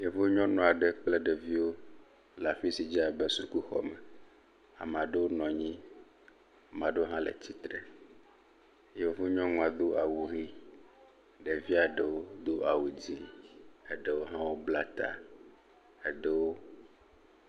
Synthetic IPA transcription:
je˨vo˦ɲɔ̃˦nɔ̃˨a˨ɖe˨k͡ple˦ɖe˨vi˦wo˦ | la˨ɸi˦si˨d͡ʒi˦a˨be˦su˦ku˦xɔ̰˨mɛ˨ | a̰˨m˨ã˨ɖe˦wo˦nɔ̃˨ɲĩ˦ | mã˨ɖo˦ɦã˦lḛ˨t͡ɕi˦t̪ɾe˨ | je˨vo˦ɲɔ̃˦ŋɔ̃˨a˨d̪o˦ʔa˨wu˨ɣi˦ | ɖe˨vi˦a˨ɖe˨wo˦d̪o˦ʔa˨wu˨d͡ʑi˦e˦ɖe˦wo˦ɦã˦wo˦bla˦t̪a̰˨ | e˦ɖe˦wo˦

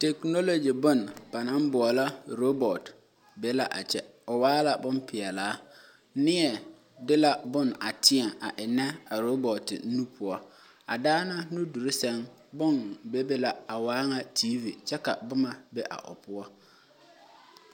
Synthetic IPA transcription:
te˨kno˦lo˨d͡ʒi˨bʊ˦nb̥a˨na˦m˦bʊ˨ɔ˨la˦ɾo˦bɔ˨t | be˦la˦ʔa̰˨t͡ʃɛ˦ʊ˨waː˦la˨bʊ˦npɪ˨ɛ˨laː˨˦ | nɪ˦ɛ˨ | dɪ˦la˦bʊ˦˨na˨tʰɪ˦ɛ˨a˨ʔɪ˨nɛ˦a˨ɾo˦bɔ˨tɪ̰˨˦nu˦pʰʊ˨ɔ˦ | a̰˨daː˦na˦nu˦du˨ɾɪ˦sɛ˦ŋ | bʊ˦nbe˦be˦la˨a˨waː˦ŋa˦tʰiː˦vi˨t͡ʃɛ˦ka˨bʊ˦ma˨be˦ʔa̰˨ʔʊ̰˨pʊ˦ɔ˦

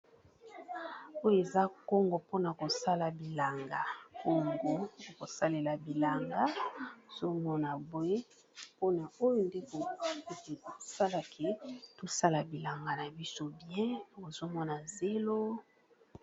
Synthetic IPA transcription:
o˦jo˦e˨za˦ko˦ŋɡo˨po˦na˨ko˨sa˦la˨bi˨la˨ŋɡa˨ko˦ŋɡo˨ko˨sa˦le˨la˨bi˨la˨ŋɡa˦o˨zo˦mɔ˦na˨bo˨e˦ | po˦na˨o˦jo˦nde˦ko˨˦˨ku˦te˨o˨sa˦la˨kʰe˦to˦sa˦la˨bi˨la˨ŋɡa˨na˨bi˦so˦bjɛ̃˦o˨zo˦mɔ˦na˨ze˦lo˦

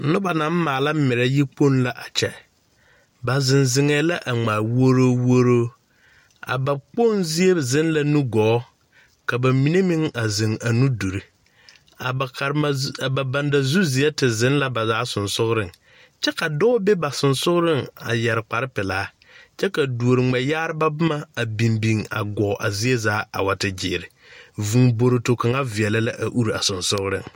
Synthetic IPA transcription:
nʊ˦ba˨na˨˦m˦maː˨la˦m˦mɪ˨ɾɛ˦ji˦k͡po˦nla˨ʔa˨t͡ʃɛ˦˨ | ba˨zɪ˨nzɪ˨ŋɛː˨la˦ʔa˨ŋ͡maː˨wo˦ɾoː˦wo˦ɾoː˦ | a̰˨ba˨k͡po˦nzi˦e˦˨zɪ˦nla˨nu˦ɡɔː˨˦ | ka˨ba˨mi˨˦ne˦mɪ˦ŋa˨zɪ˨ŋa˨nu˦du˨ɾi˦ | a˨˦˨ba˨ba˨nda˨zu˦zi˨ɛ˦tɪ˨zɪ̃˨˦nla˦ba˨zaː˦sʊ˨nsʊ˦ɣɾɪ˦ŋ | t͡ʃɛ˦ka˨dɔ˦be˦ba˨sʊ˨nsʊ˦ɣɾɪ˦ŋa̰˨jɛ˨ɾɪ˨k͡pa˨ɾɪ˦pɪ˨laː˨˦ | t͡ʃɛ˦ka˨du˨o˨ɾɪ˨ŋ͡mɛ˨jaː˦ɾɪ˦ba˦bʊ˦ma˦a˨bi˨mbi˨ŋa̰˨ɡɔː˨˦ʔa˨zɪ˦e˦zaː˨˦a̰˨wa˨tɪ˦d͡ʒɪ̰ː˨ɾɪ˨ | vu˨ŋbo˨ɾo˨to˨ka˨ŋa˦vɪ˨ɛ˨la˦la˦ʔa˨ʔu˦ɾa˨sʊ˨nsʊ˦ɣɾɪ̰˦˨ŋ

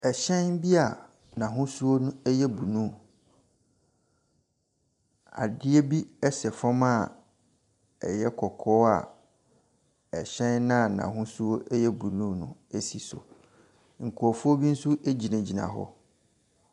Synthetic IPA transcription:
ɛ˨ɕɛ̃˦n˦bi˦a˨ | nã˨ɦʊ̃˦su˦o˦nʊ̃˦ɛ˦jɛ˦bu˨nũ˦˨ | a̰˨dɪ˦ɛ˦bi˦ɛ˦sɛ˨fɔ̃˦ma˦˨ | ɛ̰˨jɛ˦kʰɔ˨kʰɔ˦a̰˨ | ɛ˨ɕɛ̃˦nnã˦˨nã̰˨ɦʊ̃˦su˦o˦ɛ˦jɛ˦bu˨nũ˦nʊ̰̃˦˨e˦si˨sʊ̰˨ | ŋ̩˨kʰu˨ɔ˨fʊ˦o˦bi˦n̩˦su˦ʔe˦d͡ʑi˨nã˨d͡ʑi˨nã̰˨ɦɔ̰˦

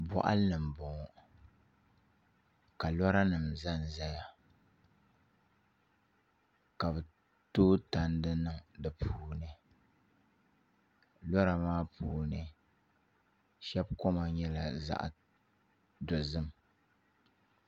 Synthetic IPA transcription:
bɔ̰˦ʔa̰˦lɨ˨m̩˨bɔ˨ŋ˨ | ka˨lɔ˦ɾa˦nɨ˨mza˦n˨za˦ja˨ | ka˨bɨ˨ | toː˦ta˨n˦dɨ˦nɨ˨ŋdɨ˨pʰuː˦nɨ˦ | lɔ˦ɾa˨maː˦pʰuː˨nɨ˦ | ʃɛ˦bkɔ˦ma˨ɲɛ˦la˨za̰˦ʔ | dʊ˨zɨ˦m

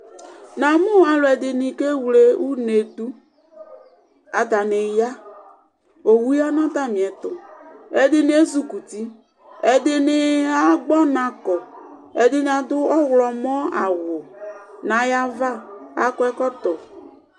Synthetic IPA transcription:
nã˨mʊ˦a˨lʊ˨ɛ˨dɪ˨nɪ˨ke˦wle˦u˦ne˨du˦ | a˨ta˨nɪ˨ja˦ | o˨wu˦ja˦nɔ̃˦ta˦˨mĩ˨ɛ˨tʊ˨ɛ˨dɪ˦nɪ̃˨˦e˦zu˦ku˨ti˦ | ɛ˨dɪ˨nɪ˨a˦ɡ͡bɔ˦nã˨kɔ˨ | ɛ˨dɪ˦nɪ˨a˨dʊ˦ɔ˦ɣlɔ˨mɔ̃˦a˨ɣʊ˨nã˨˦ja˦va˦a̰˨kɔ˦ɛ˦kɔ˦tɔ˨

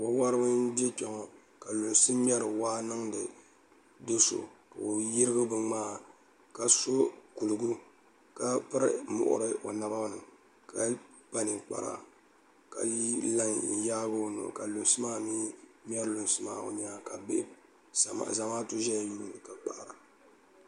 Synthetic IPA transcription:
wo˦wa˦ɾɨ˦bɨ˦n̩˦de˦pɛ˨ŋɔ˨ | ka˨lu˨n˨sɨ˦mʲ˦ɛ˦ɾɨ˨waː˦nɨ˦ŋdɨ˨ | do˦so̰˨ka˨o˨ji˦ɾɨ˦ɡɨ˦bɨ˦ŋ͡maː˦ | ka˨so˦ku˨lɨ˨ɡu˦ | ka˦pɨ˦ɾɨ˦mʊ̰˨ʔʊ̰˦ɾɨ˦ʔo˨na˦ba˦bnɨ˨ | ka˨˦ | pa˦nɨ˨k͡pa̰˨ɾa̰˨ | ka̰˨ji˦la˦ŋ˨n̩˨jaː˦bo˦no̰˨ka˨lu˨sɨ˦maː˦miː˦mʲ˦ɛ˦ɾɨ˦lʊ˨n˨sɨ˦maː˦o̰˨ɲaː˦ka˨bḛ˦˨ | za˨maː˦tu˦ʒɛ˦ja˨ju˦nɨ˨ka˨k͡pa̰˨ʔɾa˨

